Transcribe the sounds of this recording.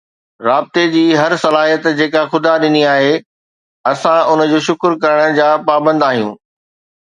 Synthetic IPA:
ɾaːb̚t̪ed͡ʑiːɦɐɾsɐlaːɦijət̪d͡ʑeːkaxʊd̪aɗɪniaːɦe | ɐsãʊnə̆d͡ʑoːʃʊkɾkɐɾəɽ̃̆d͡ʑaːpaːbə̃nd̪aːɦijũː

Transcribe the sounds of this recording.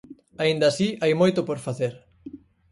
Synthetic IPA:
aind̪asiajmojt̪opoɾfaθeɾ

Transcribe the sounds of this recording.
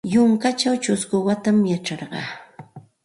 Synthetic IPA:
jʊŋkat͡ʃawt͡ʃʊskʊwat̪amjaʈ͡ʂɑɾɢɑ̰ː

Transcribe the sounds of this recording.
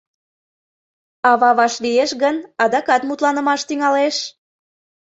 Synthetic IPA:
ɑβɑβɑʃlijeʃɣənɑd̪ɑkɑt̪mut̪lɑnəmɑʃt̪yŋɑleʃ

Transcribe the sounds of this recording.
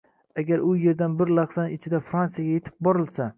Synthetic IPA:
aɡʲaɾʊje̞ɾd̪anbɪɾlɑqsanɪt͡ʃʰɪd̪afɾansijaɡʲaje̞t̪ʰɪ̥p̚bɒɾɪlsa

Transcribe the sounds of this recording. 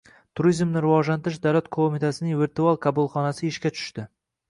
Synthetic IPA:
t̪ʰʊɾizmnɪɾɪvɒʒlant̪ɪɾɪʃd̪awlat̪kʰomit̪ʰasɪnɪŋvɪɾt̪ualˠkʰabʊlˠχɒnasɪɪʃkʲat͡ʃʰʊ̥ʃt̪ɪ

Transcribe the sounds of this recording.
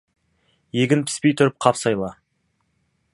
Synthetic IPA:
je̞ɡʲɪnpʰɪ̥spe̞jt̪ʰʊɾɪp̚qʰɑpsɑjlˠɑ

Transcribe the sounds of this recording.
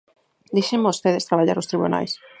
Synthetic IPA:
d̪iʃeŋmoost̪eð̞est̪ɾaβaʎaɾost̪ɾiβuna̰js

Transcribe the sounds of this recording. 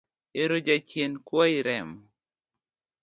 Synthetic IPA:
eɾod͡ʒat͡ʃjenkwɔɪɾɛm

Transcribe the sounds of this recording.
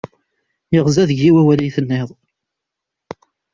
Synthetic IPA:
jəʁzæðəʝːiwæwælijθənːeðˤ

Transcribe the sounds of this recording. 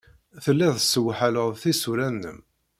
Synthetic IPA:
θəlːæðəsːəwːħaləʁˤθisuɾænːə̰m

